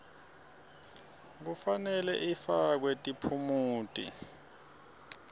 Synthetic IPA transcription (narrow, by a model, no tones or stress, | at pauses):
k̬ufanɛlɛ̰ʔifak̬wɛtʼipʰumuːtʼḭ